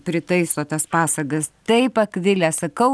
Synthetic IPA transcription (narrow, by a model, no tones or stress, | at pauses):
pʲɾʲɪt̪ɐɪsoːt̪ɐspɑːsɐɡɐst̪ɐɪpɐkʋʲɪlʲɛsɐkɐʊ